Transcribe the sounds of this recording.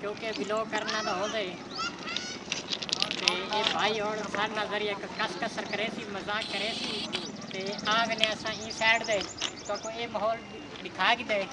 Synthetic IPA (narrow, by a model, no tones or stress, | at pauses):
kjõːkebɪloːkəɾnãːd̪aːɦõːd̪aːeː | t̪eːeːbʱaːiːɦoːɽsaːɾeːnaːlzəɾɪjaːkəskəsəɾkəɾeːsiːməzaːkːəɾeːsiː | t̪eːaːɡnẽːəsãːĩːsɛːʈd̪eːt̪õːkoːeːmaɦɔːl | ɖɪkʰaːkɪd̪aːeː